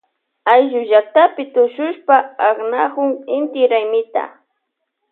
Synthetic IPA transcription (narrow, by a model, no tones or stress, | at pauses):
ajʒʊʒak̚t̪apɪt̪ʊʃʊʃpaːχnahʊŋɪnt̪ɪɾajmɪt̪a̰